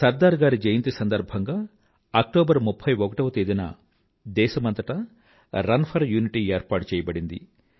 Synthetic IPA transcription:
sɐɾd̪aːɾɡaːɾid͡ʒɐjɐnt̪isɐnd̪ɐɾbʱɐŋɡaː | ɐk̚ʈoːbɐɾmupʰːɐjɔkɐʈɐʋɐt̪eːd̪inɐ̰ | d̪ɛːʃɐmɐnt̪ɐʈɐ | ɾɐnpʰɐɾjuːniʈieːɾpaːʈut͡ʃɛːjɐbɐɽind̪ḭ

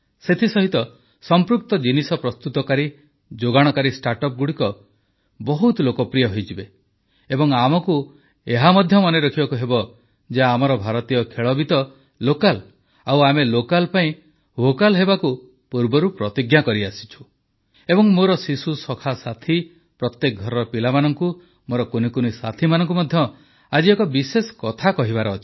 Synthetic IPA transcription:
set̪ʰisɔɦit̪ɔ | sɔmpɾuk̚t̪ɔd͡ʒinisɔpɾɔst̪ut̪ɔkaɾi | d͡ʒoɡaɽ̃ɔkaɾisʈaɾʈɔp̚ɡuɽikɔ | bɔɦut̪lokɔpɾijɔɦojd͡ʒibe | ebɔŋamɔku | eɦamɔd̪ʱjɔmɔneɾɔkʰibakuɦebɔ | d͡ʒeaːmɔɾɔbʱaɾɔt̪ijɔkʰeɭɔbit̪ɔ | lokal | awamelokalpaĩ | bʱokalɦebaku | puɾbɔɾupɾɔt̪iɡjakɔɾiasi̥t͡ʃʰu̥ | ebɔŋmoɾɔsisusɔkʰasat̪ʰi | pɾɔt̪jek̚ɡʱɔɾɔpilamanɔŋku | moɾɔkonikunisa̰t̪ʰimanɔŋk̬umɔd̪ʱjɔ | ad͡ʒiekɔbisesɔ̥kɔt̪ʰakɔɦibaɾɔːt̪ʰi̥

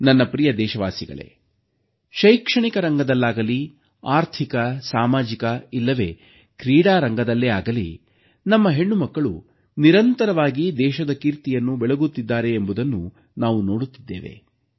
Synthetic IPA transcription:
nɐnːɐpɾijɐd̪ɛːʃɐʋaːsiɡɐ̰ɭe̞̰ | ʃɐjkʂɐɳikɐɾɐŋɡɐd̪ɐlːaːɡɐli | aːɾt̪ʰikɐsaːmaːd͡ʒikɐilːɐʋe̞̰ː | kɾiːɽaːɾɐŋɡɐd̪ɐlːeaːɡɐlḭ | nɐmːɐɦeɳːumɐkːɐɭu | niɾɐnt̪ɐɾɐʋaːɡid̪ɛːʃɐd̪ɐkiːɾt̪ijɐnːubɛɭeɡut̪ːid̪ːaːɾe̞ːmbud̪ɐnːu | naːʋuno̞ːɽut̪ːid̪ːḛːʋḛ

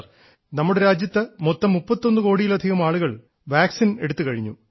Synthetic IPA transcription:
r | nɐmːuɽeɾaːd͡ʑjɐt̪ːɨmot̪ːɐmːupːɐt̪ːo̞nːɨko̞ːɽijilɐd̪ʱiɣɐmaːɭuɣɐɭ | ʋaːksine̞ɽut̪ːɨkɐɻiɲːṵ

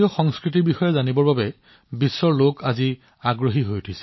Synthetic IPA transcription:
iɔxɔŋskɹit̬iɹbixɔjɛzanibɔɹbabɛ | bisːɔɹlokazi | aɡɹoɦiɦojutʰisɛ̥

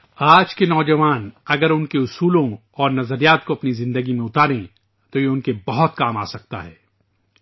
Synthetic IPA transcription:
aːd͡ʒkenɔːd͡ʒɐʋaːnɐɡəɾʊnkeʊsuːlõ | ɔːɾnɐzəɾijaːt̪̚koɐpnizɪ̃nd̪əɡimẽʊt̪aːɾẽ | t̪ojeʊnkebɐɦɔt̪kaːmaːsɐk̚t̪a̰ɦɛ̰ː

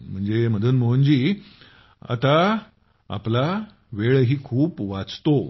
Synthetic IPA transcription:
m̤əɳd͡zem̤əd̪ʱuːnməund͡ʑiː | a̰t̪a | a̰pla | ʋeɭɦiːkʰuːpʋat͡st̪o

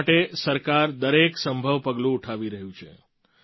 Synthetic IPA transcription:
ʈesəɾkaɾd̪əɾeksəmbʱəʋpəɡlũːʈʰaʋiɾəɦjũt͡ʃʰḛ

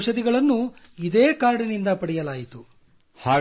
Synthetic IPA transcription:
ʃɐd̪iɡɐɭɐnːu | id̪eːkaːɾɽinind̪ɐpɐɽɛjɐlaːjit̪u | haː

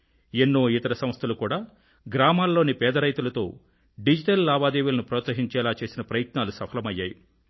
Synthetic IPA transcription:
enːuʋit̪ɐɾɐsɐmst̪ʰɐlukuːɽaː | ɡɾaːmaːlːo̞ːnipɛːd̪ɐɾɐjt̪ulɐt̪o̞̰ː | ɖid͡ʒiʈɐlːaːbaːd̪eːʋulɐnupɾɔːt̪sɐɦiɲt͡ʃɛːlaːt͡ʃe̞ːsinɐpɾɐjɐt̪naːlusɐpʰɐlɐmɐjːaːji

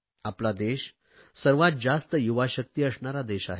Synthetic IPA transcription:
aplad̪eɕ | səɾʋat̪̚d͡ʑast̪əjuʋaɕək̚t̪iːəsɳaɾad̪eɕa̰ɦe

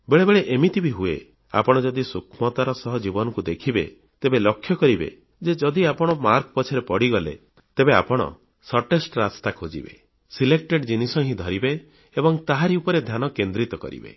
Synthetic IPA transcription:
beɭebeɭeʔemit̪ʰibiɦuḛ | a̰pɔɽ̃ɔd͡ʒɔd̪isukʰmɔt̪aɾɔsɔɦɔd͡ʒibɔnɔŋkud̪ekʰibḛ | t̪ebelɔkʰːjɔkɔɾibḛ | d͡ʒed͡ʒɔd̪iapɔɽ̃ɔmaɾkɔpɔt͡ʃʰɔɾepɔɽiɡɔlḛ | t̪ebea̰pɔɽ̃ɔ̰ | sɔʈesʈɾast̪akʰod͡ʒḭbḛ | silek̚ʈeɖd͡ʒinisɔɦĩd̪ʱɔɾibe | ebɔŋt̪aɦaɾiupɔɾed̪ʱjanɔkend̪ɾit̪ɔkɔ̰ɾḭbḛ

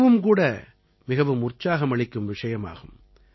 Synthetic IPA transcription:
ʋɯmkuːɽɐ | mɪɣɐʋɯmʊrt͡ʃːaːɣɐmɐɭɪkːɯmʋɪʂɐjɐma̰ːɣɯm

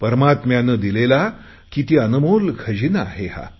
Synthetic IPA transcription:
pəɾəmat̪mjanəːd̪ilela | kit̪iːənumolkʰəd͡ʑinaːɦeɦa̰

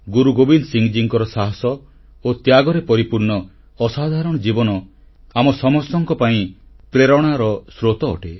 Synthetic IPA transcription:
ɡuɾuɡobinsiŋd͡ʒiŋkɔɾɔsaɦɔsɔ | ot̪jaɡɔɾepɔɾipuɾɳɔː | sad̪ʱaɾɔɽ̃ɔd͡ʒibɔnɔ | amɔsɔmɔsɔŋkɔpaĩ | pɾeɾɔɽ̃aɾɔsɾot̪ɔ̰ːʈe

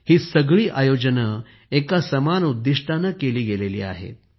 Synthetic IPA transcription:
hiːsəɡɭiːʔajod͡ʑənə | ekasəmanud̪ːiʂʈʰanəkeliːɡelelḭːa̰ɦḛt̪̚

